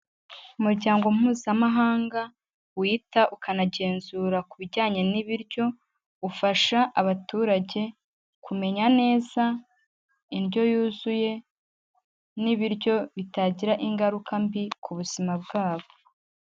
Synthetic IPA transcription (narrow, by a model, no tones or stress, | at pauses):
umuɾɟaːŋɡo̞muːzamaɦaːŋɡa | wiːtaʔukanaɟe̞ːnzuːɾakuβiɾɟaːɲe̞niβiɾɟo̞ | ufaʃaʔaβatuːɾaɟe̞ | kume̞ɲane̞ːza | inɟo̞juːzuje̞ | niβiɾɟo̞βitaɟiɾaʔiŋɡaɾukʰambikʰuβuz̥imab̚ɡaːβo